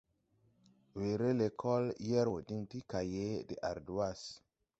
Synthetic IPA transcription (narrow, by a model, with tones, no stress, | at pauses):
we˨ɾe˦le˨kʰɔ˦ljɛ˦ɾwo˨di˦ŋti˦ka˨je˦de˨ʔa˨ɾdu˨˦a˦s